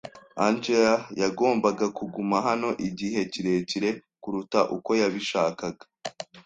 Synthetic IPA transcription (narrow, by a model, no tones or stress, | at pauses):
and͡ʒeajaɡo̞ːmbaɡakuɡumaɦano̞ʔiɟiɦe̞ciɾe̞ciɾe̞kuɾutaʔuko̞jaβiʃaːkaɡa